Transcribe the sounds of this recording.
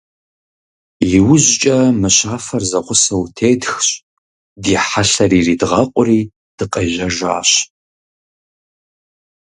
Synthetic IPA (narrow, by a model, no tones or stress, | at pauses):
iwʊʑt͡ʃʼɐmɨɕaːfɐrzɐqʷʊsɐwtʰeːdxɕʼ | diːħaɬɐriːriːdʁɐqʷʼʊriː | d̥ɨqʼɐʒɐʒʷa̰ːɕ